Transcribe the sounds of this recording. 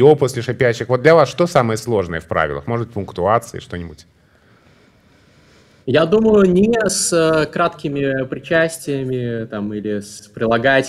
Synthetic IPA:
oposʲlʲɪʂapʲæɕːɪxvod̪lʲɐvasʂt̪o̞samɨjəslˠo̞ʐnɨjəfpɾʔa̰vʲɪ̰lˠə̰xmo̞ʐədbɨtʲpʊnkt̪ʊat̪sɨɪ̰ʂt̪o̞nʲɪbʊtʲ | jad̪uməjʊnʲɪsəkɾat̪kʲɪmʲɪpɾʲɪt͡ɕæsʲtʲɪjəmʲɪt̪amilʲɪspɾʲɪlˠɐɡatʲ

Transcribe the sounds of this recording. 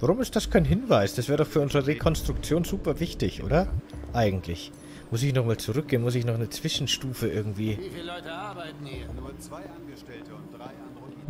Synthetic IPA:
vaʁʊmɪst̚d̥askʰaɪnɦɪnvaɪsd̥asv̥ɛːɐdɔχfyːɐʊnzəʁəʁekʰɔnstʁ̥ʊk̚t͡sjoːnzuːpɐvɪçtɪçʔo̰ːdɐʔaɪɡŋ̩tʰlɪç | mʊs̬ɪçnɔχmaːlt͡suʁʏk̚ɡ̥eːənmʊs̬ɪçnɔχnət͡sv̥ɪʃn̩ʃtuːfəʔɪɐɡŋ̩tv̥iː

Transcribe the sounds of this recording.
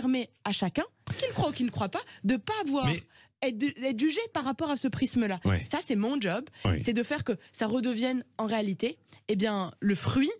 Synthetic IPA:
ʁmɛaʃakʲɛ̃kʲilkχwaukʲilnəkχwapad̪əpavwaʁ | ɛt̪d̪əd̪ɛt̪ʒyʒepaʁːapɔʁasəpχisməlawɛ̰sasɛmɔ̃ʒɔbsɛd̪əfɛʁkəsaʁəd̪əvjɛnɑ̃ʁealit̪eːbjɛ̃ləfχɥi

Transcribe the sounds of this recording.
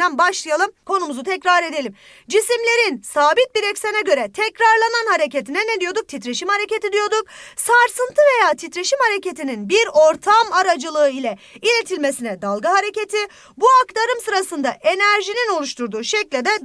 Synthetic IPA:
ænbaʃlˠɯjalˠɯmkʰo̞numuzut̪ʰɛcɾaɾe̞d̪elʲim | d͡ʒisimlʲe̞ɾinsaːbit̪̚biɾɛcsenɛɟø̞ɾɛt̪ʰɛcɾaɾlˠananhaɾece̞t̪ʰinɛned̪ijo̞d̪uk̚t̪ʰit̪ɾe̞ʃimhaɾe̞cet̪id̪ijo̞d̪uk̚saɾsɯnt̪ʰɯve̞jaːt̪ʰit̪ɾe̞ʃimhaɾe̞ce̞t̪ʰininbiɾo̞ɾt̪ʰamaɾad͡ʒɯlˠɯɯilʲɛ | ilʲe̞t̪ʰilʲme̞sinɛd̪alˠɡaɦaɾe̞ce̞t̪ʰi | buakt̪ʰaɾɯmsɯɾasɯnd̪aʔe̞næɾʒinino̞lˠuʃt̪ʰuɾd̪uːʃɛclʲed̪ɛ

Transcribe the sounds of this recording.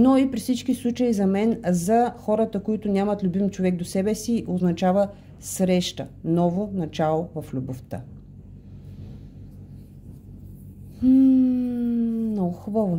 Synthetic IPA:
noipɾifsit͡ʃkislˠut͡ʃəizɐmɛnzɐxɔɾət̪əkoit̪ʊnʲamɐt̪lʲubimt͡ʃovɛɡ̚d̪osɛbɛsiʔoznɐt͡ʃavə | sɾɛʃt̪ənɔvonɐt͡ʃalˠovɐflʲuboft̪ə | nɔɡʊxubəvo

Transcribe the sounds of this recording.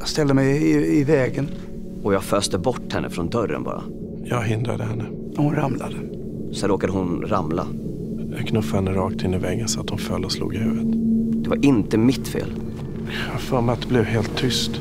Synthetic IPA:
jast̪ɛld̪əmɛjɪɪvɛːɡən | ɔjɑːɡføːst̪əbɔʈːhɛnːʔə̰fɾɔnd̪œɾːə̰nbɑ̰ːɾa̰ | jɑːɡɦɪnd̪ɾa̰d̪əhɛnːə | hʊnɾamla̰d̪ə | sɛnɾoːkad̪əɦʊnɾamla̰ | ɑkʰnɵfahɛnːəɾɑːk̚t̪ɪnːɪvɛɡənsat̪ːhʊnfœlːɔslṵːɡɪhʉ̟ːvət̪d̪̥ɛvaɾʔɪnt̪əmɪt̪fḛːl | afœɾmat̪blɛvɦeːlt̪ʰːʏst̪

